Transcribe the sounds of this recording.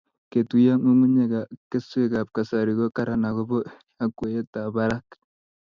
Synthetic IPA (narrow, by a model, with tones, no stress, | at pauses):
ke˨tu˨ja˦mu˦mu˦ɲe˨ɡa˨ke˦su˦e˦˨ka˨p̚ka˨sa˨ɾi˨ɡo˦ka˦ɾa˨na˨ɡɔ˦bɔ˦ | a˦kwe˨je˦ta˨ba˦ɾa˦k